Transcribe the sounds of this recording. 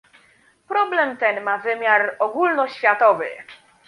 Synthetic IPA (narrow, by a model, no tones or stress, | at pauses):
pɾɔblɛmt̪ɛnmavɘmʲjaɾɔɡulnɔɕfʲjat̪ɔvɘ̰